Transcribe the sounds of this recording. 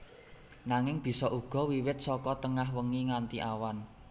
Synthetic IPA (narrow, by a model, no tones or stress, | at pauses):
naŋɪŋb̥i̤sɔʔuɡ̥ɔ̤wiwɪt̪̚sɔkɔt̪əŋahwəŋiŋant̪iʔawan